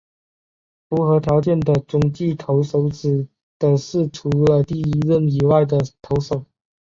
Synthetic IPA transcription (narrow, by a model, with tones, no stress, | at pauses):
fu˧˥xɤ˧˥t̪ʰjɑ˧˥ʊt͡ɕjɛ˥˩nd̪ə˩ʈ͡ʂʊ˨˩ŋt͡ɕi˥˩t̪ʰo˧˥ʊʂo˧˥ʊʈ͡ʂɻ̩˨˩ | d̪̥ə˨˩ʂɻ̩˥˩ʈ͡ʂʰu˧˥lə˧t̪i˥˩i˧˥ɻə˥˧˩ni˨˩wa˥˩ɪd̪ə˩t̪ʰo˧˥ʊʂo˨˩˦ʊ